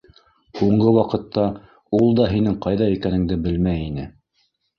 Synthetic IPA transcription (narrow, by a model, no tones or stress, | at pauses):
huɴɢɤwɑqɤ̆t̪ːɑ | ulˠd̪ɑɦinɘŋqɑjðɑikænɘ̆ŋd̪ɘbɘlmæjinɘ